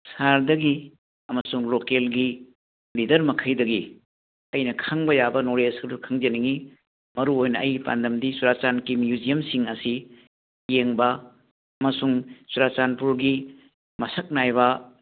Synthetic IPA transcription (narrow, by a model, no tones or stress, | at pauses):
saɾdɐɡi | ɐmɐsuŋlokelɡi | lidɐɾmɐkʰɐjdɐɡi | ɐjnɐkʰaŋbɐjabɐnoɾesdukʰaŋd͡ʒɐniŋi | mɐɾuojnɐːjpa̰ndɐmdisuɾat͡ʃankimjuzijɐmsiŋɐsi | jeŋbɐ | ɐmɐsuŋsuɾat͡ʃanpuɾɡi | mɐsɐk̚najbɐ